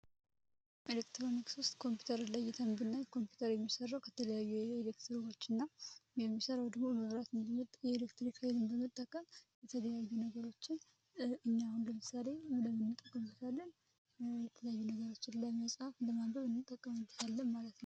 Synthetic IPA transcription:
ʔelekt̪ɾɾo̞nikswʊst̪ʼkʰo̞mpju̥t̪ʰəɾɨlajːɛt̪ʰəmbɨnːajkʰo̞mpju̥t̪ʰəɾjɛmːisərːawkʰət̪ʰələjajːuelekt̪ʰɨɾo̞t͡ʃːɨnːajɛmːisəɾawd̪əɡmoməβɾat̪ɨnjɛelekt̪ɾikʰaelɨmbəmət̪ʼːəkʼːəmjɛt̪ʰələjajunəɡəɾo̞t͡ʃːɪn | ɨɲːahunləmɨsale̞ləmːɨnːɨt̪ʼːəkʼːəmɨt̪ʰalːən | jɛt̪ʰələjajːunəɡəɾo̞t͡ʃːɪnlajməsʼhafləmambəβɨnːɨt̪ʼːəkʼːəmɨnt̪ʰalːəmmːalət̪nəw

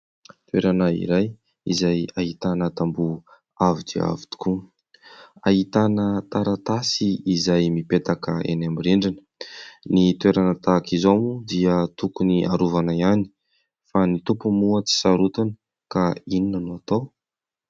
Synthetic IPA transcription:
t̪weɾanəḭɾaj | ḭzajaɦit̪anət̪ambu | avidḭa̰vi̥t̪u̥ku | aɦit̪anət̪aɾat̪asiːzajmipet̪akəḛnamiɾeɳɖ͡ʐinə̥nit̪ueɾanət̪akizomud̪iət̪ukuniʔaɾuvanaiani̥ | fanit̪upumuət͡si̥saɾut̪anə | kaininənuat̪aw

